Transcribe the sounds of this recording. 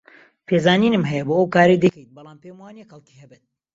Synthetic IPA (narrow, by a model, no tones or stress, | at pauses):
pʰeːzaːniːnɨmɦɛjɐboːəwkaːɾejd̪ekʰejt̪̚bɑlˠaːmpemwaːnekxɐlˠki̥hɐbet̪̚